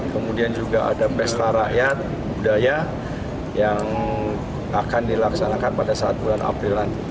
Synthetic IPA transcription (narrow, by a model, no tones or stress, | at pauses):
kəmudiand͡ʒuɡaʔa̰dapɛst̪aɾaʔjat̪̚ | budaja | jaŋ | akandilaksanakanpadasaat̪̚bulana̰pɾilan